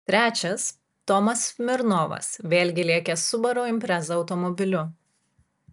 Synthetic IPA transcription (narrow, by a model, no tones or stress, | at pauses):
t̪ʲɾʲæːt͡ʃʲɛs | t̪ɔmɐsmʲɪɾnɔːʋɐ̰sʋʲeːlʲɡʲɪlʲiɛkʲesʊbɐɾoːɪmʲpʲɾʲɛzɐɒʊt̪ɔmɔbʲɪlʲʊ